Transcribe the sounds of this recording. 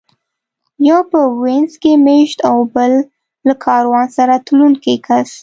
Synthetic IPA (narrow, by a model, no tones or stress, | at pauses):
jɑpəwenzkemeʃt̪awbəlː | akʰɑɾwɑnsaɾat̪lunkekʰas